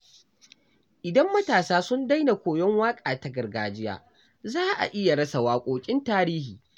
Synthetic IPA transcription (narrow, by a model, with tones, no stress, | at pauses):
ʔɪ˨dɐ˦mːɐ˦taː˨saː˦sʊ˦nda˦jna˨kʷoː˨jɔ˦ŋwaː˦kʼaː˨ta˨ɡɐ˨rɡaː˨d͡ʒɪ˦ja̰ː˨ | zaː˦ʔa̰˨ʔɪ˦ja˨ɽɐ˦sa˨waː˨kʷʼoː˨kʲʼɪ˦ntaː˦ɾiː˦hiː˨